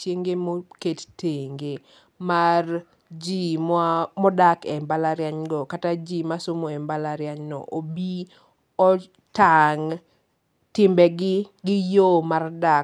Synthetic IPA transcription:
t͡ʃjeŋɡemoketteŋɡe | mar | d͡ʒimɔdakɛmbalaɾjaɲɡɔkatad͡ʒimasomoɛmbalaɾjaɲnɔ̰ʔobi | ɔ | taŋ | tɪmbɛɡɪɡɪjomarda

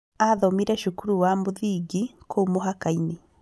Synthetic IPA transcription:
aðɔmiɾɛʃukuɾuwamuðiɡikʰomoɦakaine

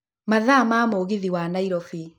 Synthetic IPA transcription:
maðamamoːɣiðiwanaiɾɔfi

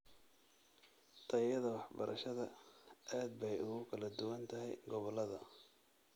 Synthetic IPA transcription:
t̪ʰɐjɐðɐwɑħbɐ̰ɾʔɐʃɐðɐʔaːd̪̚bɛjʊɣʊkʰɐlɐd̪ʊwɐnt̪ʰɐɦɛ̰jɡɔβɔlːɐðɐ

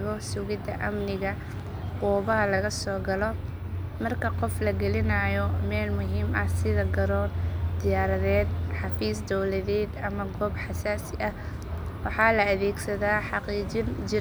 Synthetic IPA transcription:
ɣɔsʊɣɪd̪ɐʔɐmnɪɣɐ | quːβɐɦɐlɐɣɐsɔːɡɐlɔ | mɐrkʰɐqɔflɐɡɛlɪnɐjɔmɛːlmʊɦiːmɐsɪðɐɡɐɾɔːnd̪̥ɪjaːɾɐðɛːd̪̚ħɑfiːsd̪ɔwlɐðɛːd̪ɐmɐɡɔːbħɑsaːsɪʔɐ | wɑħɑːlɐɐðɛːɡsɐðaːħɑqiːd͡ʒɪnd͡ʒɪ

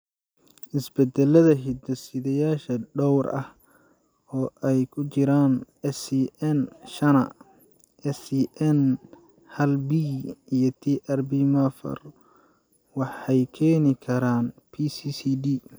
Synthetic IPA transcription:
ʔɪsbɛd̪ɛlɐðɐɦɪd̪ɐsɪðɐjaːʃɐɖɔwrɐh | ɔːʔɛjkʰʊt͡ʃɪɾaːn | ɛsiʔɛnʃɐnɐ | ʔɛsiʔɛn | hɐlbiijɞt̪ʰiːʔɐrbiːmɐfɐ̰r | wɑħɛjkʰɛːnɪkʰɐɾaːnpʰiːsiːsiːdiː

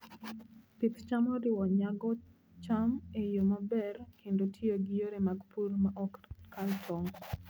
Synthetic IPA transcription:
pitt͡ʃamɔɾɪwɔɲaɡɔ | t͡ʃamejomabɛrkʰendotʰioɡɪjoɾemaɡpurmaʔɔkkaltʰɔŋɡ

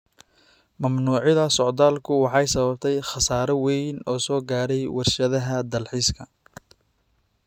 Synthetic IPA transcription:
mɐmnuːʕɪðɐsɔʕd̪aːlkʰʊwɑħɑjsɐβɐb̚t̪ʰɛjχɑsaːɾɐwɛjnɔːsɔːɡaːɾɛjwʔɑrʃɐðɐɦɐd̪ɐlħiːskʰɐ

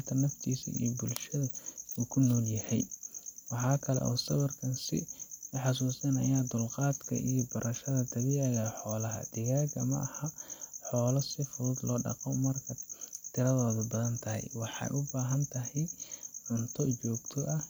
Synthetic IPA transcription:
t̪ʰɐnɐft̪ʰiːsɐ̰ʔḭjbʊlʃɐðɐuːkʰʊnɔːljɐhɛjwɑħɑːkʰɐlɛ̰ʔɔ̰ːsɐwɐrkʰɐnsɪ̰ħɑs̬uːsɐnɐ̰jaːd̪ʊlqɑːd̪kʰɐ̰ʔijɔbɐɾʔɐʃɐðɐd̪ɐliːɐɣaħɔːlɐɦɐ̰d̪̥ɪɣaːɡɐ̰mɐ̰ʔɐhɐħɔːlɔsɪfʊðuːd̪lɔːɖɑ̰qɔmɐrkʰɐt̪ʰɪɾɐðɔːðʊbɐðɐnt̪ʰɐɦɛ̰jwɑħɑ̰jʔʊbaːɦɐnt̪ʰɐɦɛjʕʊnt̪ʰɔt͡ʃɔːɡt̪ʰɔʔɐ

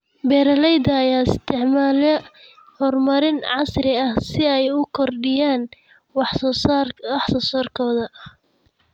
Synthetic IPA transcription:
bɛːɾɐlɛjd̪ɐːjaːɪst̪ʰɪʕmaːlɛ | hɔːrmɐɾɪnʕɑsrɪɐhsɪɛjʊkʰɔrɖɪjaːn | w | wɑħsɔːsɔːrkʰɔːðɐ

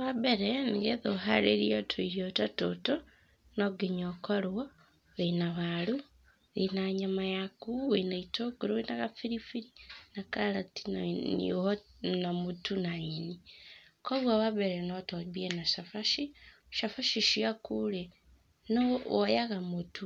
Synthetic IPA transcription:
βaβeɾeniɡeðoɦa̰ɾeɾijotʰoiɾiotatoto | noɡeɲokolwo | βenaβalu | βinaɲamajakuβenaitokuɾoinaɣafiɾifiɾinakalati̥nḭhonamutunainikoβwaβaβeɾenotoβienaʃafaʃi | ʃafaʃiʃiakule | noojaɣamutu

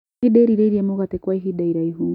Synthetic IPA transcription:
iɗɛɾiɾɛiɾiɛmɔɣatɛkwaiɦiɗaiɾaiɦuŋ

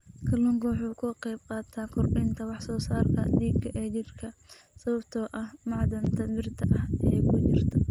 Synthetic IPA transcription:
kʰɐlʊŋɡwħuːkʰʊqɛjbqɑːt̪ʰaːkʰʊrʔɪnt̪ʰɐwɑħsɔːsaːrkʰɐ̰d̪iːɡɐʔɛːt͡ʃɪrkʰɐ | sɐβɐbt̪ʰɔːʔɐhmɑʕd̪ɐnt̪ʰɐbɪrt̪ʰɐʔɐhʔɛːkʰʊt͡ʃɪrt̪ʰɐ

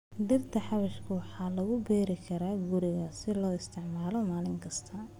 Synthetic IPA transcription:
d̪ɪbt̪ʰɐħɑβɐʃkʰʊwɑħɑːlɐɣʊbɛːɾɪkʰɐɾaːɡʊɾɪɣɐsɪlɔːɪst̪ʰɪʕmaːlɔmaːlɪŋkʰɐst̪ʰɐ

